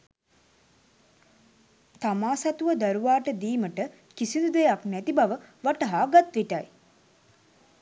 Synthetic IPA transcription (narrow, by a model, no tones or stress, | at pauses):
t̪amaːsat̪uʋəd̪aɾuʋaːʈəd̪iːməʈə | kisinud̪ejaknæt̪ibaʋəʋaʈəɦaːɡat̪ʋiʈaj